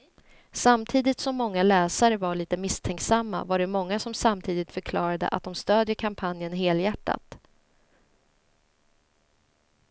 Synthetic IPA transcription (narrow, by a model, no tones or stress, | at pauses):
samt̪ʰiːd̪ɪt̪sɔmːɔŋːalɛːsaɾəvaɭiːt̪əmɪst̪ʰɛŋksamːa̰vaɖɛmɔŋːasɔmsamt̪ʰiːd̪ɪt̪fœɾkʰlɑːɾad̪ə̰ʔa̰t̪̚d̪ɔmst̪øːd̪jəkʰampʰanjənɦeːljæʈːa̰t̪